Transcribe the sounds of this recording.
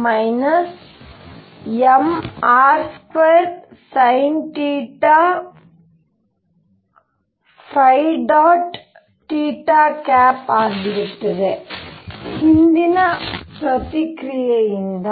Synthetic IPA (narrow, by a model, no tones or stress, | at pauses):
mɐjnɐs | emaːɾskweːɾsɐjnʈiːʈːaː | fɐjɖaːʈ | ʈːiːʈːaːkaːpaːd̪iɾɐʈːɐɾe | hind̪inɐpɾɐt̪ikɾijɐjind̪ɐ